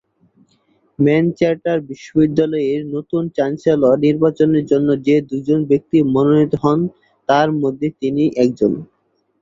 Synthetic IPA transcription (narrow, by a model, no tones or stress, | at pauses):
mɛnt͡ɕaɾʈaɾbiʃːobid̪ːalɔeɾnot̪unt͡ɕanselɔniɾbat͡ɕoneɾd͡ʑonːod͡ʑed̪ud͡ʑonbek̚t̪imononit̪oɦɔn | t̪aɾmod̪ʱːet̪iniʔɛk̚d͡ʑon